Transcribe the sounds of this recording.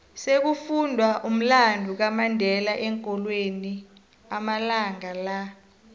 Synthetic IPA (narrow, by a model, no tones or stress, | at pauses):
sek̬ufundʱwaʔum̩landʱuk̬amandʱɛlaʔɛŋkʼɔlweni | amalaŋala